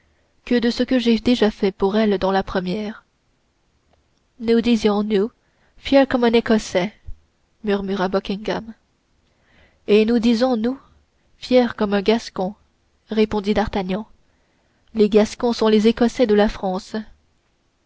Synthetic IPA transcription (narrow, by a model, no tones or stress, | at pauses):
kəd̪əsəkəʒed̪eʒafɛpuʁɛld̪ɑ̃lapχəmjɛːʁ | nud̪izjɔ̃nu | fjɛːʁkɔmɛ̃nekɔsɛ | myʁmyʁabɔkʲĩŋɡam | enud̪izɔ̃nu | fjɛːʁkɔmɛ̃ɡaskɔ̃ | ʁepɔ̃d̪id̪aʁt̪aɲjɑ̃ | leɡaskɔ̃sɔ̃lezekɔsɛd̪əlafχɑ̃ːs